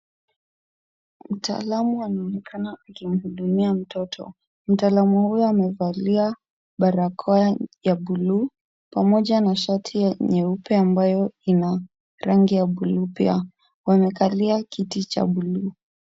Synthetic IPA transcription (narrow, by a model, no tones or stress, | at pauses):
m̩ta̰ːlamuanaɔnɛkʰanaːkim̩huɗumiam̩tɔtʰɔ̰ | m̩taːlamuhujɔamɛvalia | ɓaɾakʰɔajaɓulu | pamɔʄanaʃatʰijaɲɛupɛambajɔina | ɾaŋɡijaɓulupia | wamɛkaliakitit͡ʃa̰ɓuluː